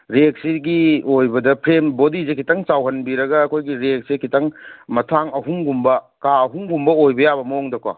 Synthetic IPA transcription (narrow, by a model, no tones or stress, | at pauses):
ɾek̚siɡiojbɐdɐpʰɾembodizekʰitɐŋt͡ʃawɦɐnbiɾɐɡɐːkʰojɡiɾek̚sekʰitʰɐŋmɐtʰaŋɐɦuŋɡumbɐ | kaɐɦuŋɡumbɐojbɐjabɐmɐoŋdɐkwa̰